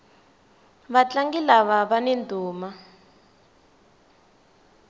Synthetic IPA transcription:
βat͡ɬaŋɡilaβaβanendʱuːma

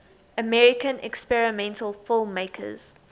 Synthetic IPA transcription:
əmɛɹɪkə̃nɛ̰kspɛɹɪmɛ̃ntʰəlˠfɪlˠmːeɪkʰə̰z̥

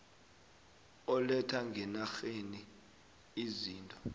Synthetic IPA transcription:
ɔlɛtʰaŋɡʱɛnaxeni | iziːntʼɔ̥

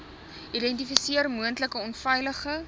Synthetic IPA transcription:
ʔidɛnt̬ifisiərmuəntləkəɔnfɛjləχə

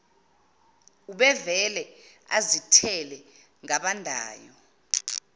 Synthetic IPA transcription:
uɓɛvɛlɛ | azitʰɛlɛ | ŋaɓandʱa̰ːjɔ

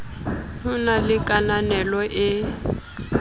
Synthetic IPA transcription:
tʰʊnalɪkʼananɛlɔʔɪ

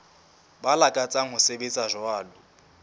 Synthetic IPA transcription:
balakʼat͡sʼaŋʊsebet͡sʼaʒɔaːlʊ

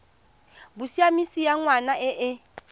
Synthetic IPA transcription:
busiamisijaŋwanaʔɪʔɪ

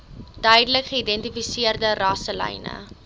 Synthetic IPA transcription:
d̥œjdələkχəidɛntifisiərdərɑsəlɛ̰jnə̰

